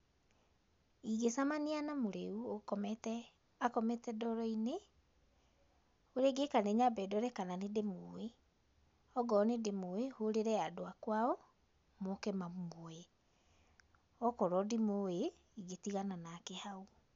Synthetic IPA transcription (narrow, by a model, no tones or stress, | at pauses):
iɣesamanianamoɾeuokɔɛtɛ | akɔmɛtɛdɔɾɔine | oɾeɡekaneɲabɛdɔɾɛkananedemoe | ɔɡɔːnedemoehoɾeɾɛadoakwaɔ | mɔkɛmamoe | ɔkɔɾɔdimoe | iɣetiɣananakehau